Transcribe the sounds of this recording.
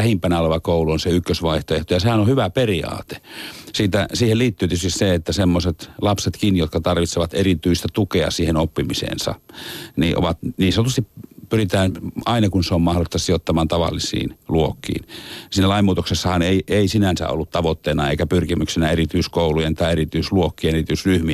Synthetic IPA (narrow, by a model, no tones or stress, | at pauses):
æhimpænæolɑʋɑkouluonseykːøsʋɑiht̪oeht̪ojɑsehænohyʋæperiɑ̰ːt̪e̥siːt̪æsiːheliːt̪ːyːt̪yøst̪isseet̪ːæsemːoset̪lɑpset̪kinjot̪kɑt̪ɑrʋit̪seʋɑt̪erit̪yist̪æt̪ukeɑ̰siːhenopːimisḛːnsɑ̰niʔo̰ʋɑt̪niːnsenot̪ust̪ippyrit̪æːnɑinɑkunseommɑholist̪ɑsiot̪ːɑmɑːnt̪ɑʋɑ̰lːisḭːnluokːḭːnsiːnːælɑimːuːt̪oksesːɑhɑneiʔeisinænsæ̰o̰lːut̪t̪ɑʋot̪ːeːnɑeikæpyrkimyksinæerit̪yiskoulujent̪ɑierit̪yisluokːienerit̪yisryhmi